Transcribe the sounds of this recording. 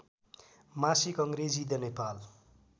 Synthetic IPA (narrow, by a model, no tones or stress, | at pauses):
masikʌŋɡɾed͡zid̪ʌnepal